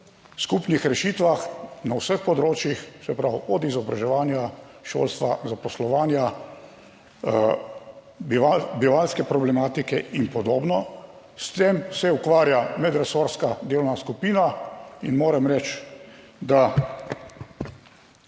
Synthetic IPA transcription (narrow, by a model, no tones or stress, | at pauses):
skupnixɾɛʃiːt̪ʋaxnawsəxpɔd̪ɾoːt͡ʃjixsɛpɾawɔd̪izɔbɾaʒɛʋaːnjaʃo̰lst̪ʋazapɔslɔʋaːnja | ʋabiʋalskɛpɾɔblɛmaːt̪ikɛinpɔd̪oːbnɔ | st̪emsɛukʋaːɾjamɛd̪ɾɛsoːɾskad̪ewnaskupiːnainmoːɾɛmɾɛt͡ʃ | d̪a